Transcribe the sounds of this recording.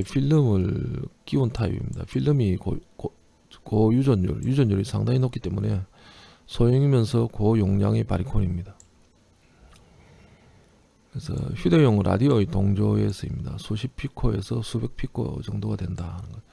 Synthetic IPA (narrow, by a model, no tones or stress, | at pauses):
pʰiɭːɯmɯɭk͈iuntʰaḭbḭmɲḭda̰ɸʰilːɯmikok | kojud͡ʑʌnṵɭjud͡ʑʌɲuɾisʰaŋdaɲinok͈it͈e̞mune̞ | sʰojiŋimjʌnsʰʌkojoŋɲaŋepaɾikʰonimɲida | kɯɾesʰʌ̰çjude̞joŋɾʔa̰dioitoŋd͡ʑoe̞sʰʌimɲida̰sʰuɕʰipʰikʰoe̞̰sʰʌsʰube̞k̚pʰikʰo̰t͡ɕʌŋdoɡadwe̞ndahanɯnɡʌn